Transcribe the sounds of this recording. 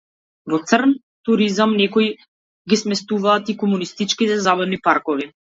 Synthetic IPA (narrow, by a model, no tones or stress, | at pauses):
vɔt̪srn | t̪uɾizamnɛkɔj | ɡismɛst̪uvaːt̪ikɔmunist̪it͡ʃkit̪ɛzabad̪nipaɾkɔvi